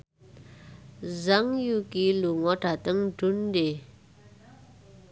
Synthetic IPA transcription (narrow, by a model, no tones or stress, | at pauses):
zaŋjuʔkiluŋoʈ͡ʂat̪aŋʈ͡ʂund̪e